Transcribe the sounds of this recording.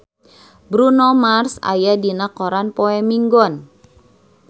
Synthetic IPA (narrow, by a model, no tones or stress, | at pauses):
bɾunomarsa̰jadinakɔɾanpoɛmiŋɡɔn